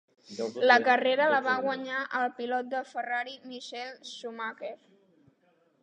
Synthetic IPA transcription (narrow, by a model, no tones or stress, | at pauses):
ləkəreɾələβaɣwəɲaʔəlˠpilɔt̪̚d̪əfəraɾimiʃɛlsumakef